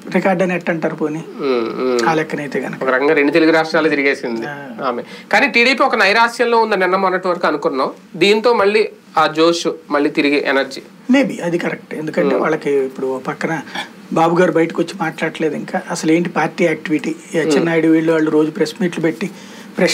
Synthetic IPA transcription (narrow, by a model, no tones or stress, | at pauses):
ɾikaːɾɖɐnɛʈːɐɳʈaːɾupoːni | aːlɛkːɐnɐjt̪eːɡɐnɐkɐɔkɐɾɐkɐŋɡaːɾeɳɖut̪eluɡuɾaːʂʈɾaːloːt̪iɾiɡeːsind̪iaːmekaːniːʈiːɽiːpiːɔkɐnɐjɾaːʃjɐlloːund̪ɐnɪnːɐmɐnːɐʈːʋɐɾɐkuɐnukunːaːm | d̪iːnt̪o̞ːmɐɭːiː | aːd͡ʒoːʃumɐɭːiːt̪iɾiɡiʔɛnɐɾd͡ʒiː | me̞ːbiɐd̪ikɐɾɛk̚ʈend̪ukɐɳnʈe̞ːʋa̰ːɭːɐkiipːuɽupɐkːɐnɐ | baːbuɡaːɾubɐjɐʈi̥kiʋot͡ʃːimaːʈlaːɽʈɐle̞ːd̪iŋkaːʔɐsɐle̞ːɳʈipaːɾʈiːaːk̚ʈiʋiʈiːɐt͡ʃːinːaːjiɽuʋiːɭuʋaːɭːuɾo̞ːd͡ʒupɾesmiːʈlupeʈːi | pɾe